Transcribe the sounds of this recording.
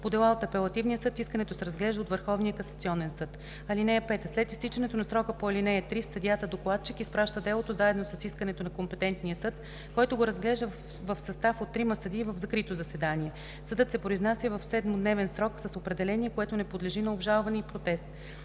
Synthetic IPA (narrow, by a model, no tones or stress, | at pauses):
pod̪ɛlˠaot̪ɐpɛlˠɐt̪ivnijəsɤt̪iskənɛt̪osɛɾɐzɡlɛʒd̪əot̪vəɾxɔvnijəkɐsɐ̥t̪siɔnɛnsɤt̪ | ɐlinɛɛpɛt̪əslɛt̪ist̪it͡ʃɐnɛt̪onɐsɾɔkəpoɐlinɛɛt̪ɾisɐd̪jat̪əd̪oklˠat̪̚t͡ʃikispɾaʃt̪əd̪ɛlˠot̪ozaɛd̪nosɐsiskənɛt̪onɐkompɛt̪ɛnt̪nijəsɤt̪ | kɔjt̪oɡoɾɐzɡlɛʒd̪ə | vəfsɐst̪afot̪ːɾimɐsɐd̪iːvəvzɐkɾit̪ozɐsɛd̪aniɛ | sɐd̪ɤt̪sɛpɾoiznasʲjəvɐfsɛd̪mod̪nɛvɛnsɾɔksɐsopɾɛd̪ɛlɛniɛkoɛt̪onɛpod̪lɛʒinɐobʒalˠvɐnɛipɾot̪ɛst̪̚